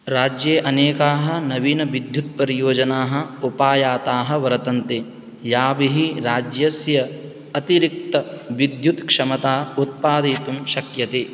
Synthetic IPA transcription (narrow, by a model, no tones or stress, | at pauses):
ɾaːd͡ʒjeːʔɐneːkaːɦɐ̆nɐʋiːnɐʋid̪ʱjut̪̚pɐɾijoːd͡ʒɐnaːɦɐ̆upaːjaːt̪aːɦɐ̆ʋɐɾɐt̪ɐnt̪e | jaːbiɦiɾaːd͡ʒjɐsjɐː | t̪iɾik̚t̪ɐʋid̪ʱjut̪kʂɐmɐt̪aːut̪̚paːd̪iːt̪umʃɐkjɐt̪eː